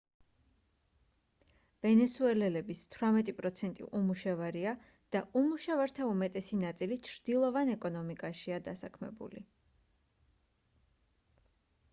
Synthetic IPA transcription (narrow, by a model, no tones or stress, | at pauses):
vɛnɛsuɛlɛlɛbist̪ʰwɾamɛt̪ʼipʼɾɔt̪sʰɛnt̪ʼḭʔumuʃavaɾia | d̪̥aʔumuʃavaɾt̪ʰaumɛt̪ʼɛsinat̪sʼilit͡ʃʰɾd̪̥ilˠɔvanɛkʼɔnɔmikʼaʃiad̪asakʰmɛ̰bṵlḭ